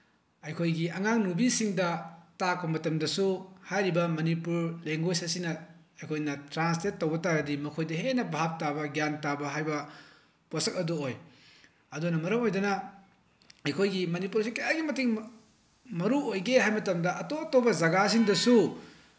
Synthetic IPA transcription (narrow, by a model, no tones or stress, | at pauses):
ɐjkʰojɡiɐŋaŋnubisiŋdɐtak̚ːɐmɐtɐmdɐsuhajɾibɐmɐnipuɾleŋɡojsɐsinɐ | ɐjkʰojnɐtɾanstet̚ːowbɐtaɡɐdimɐkʰojdɐɦenɐbaɦap̚tabɐɡjantabɐɦajbɐ | posɐk̚ɐdooj | ɐdunɐmɐɾɐmojdɐnɐ | ɐjkʰojɡimɐnipuɾsikɐjaɡimɐtiŋ | mɐɾuojɡeɦajmɐtɐmdɐʔɐtoɐtobɐzɐɡasiŋdɐsu